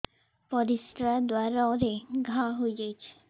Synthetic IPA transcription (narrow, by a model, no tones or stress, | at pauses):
pɔɾist̪ɾad̪waɾaɔɾeɡʱãɦojd͡ʒejt͡ɕʰe̥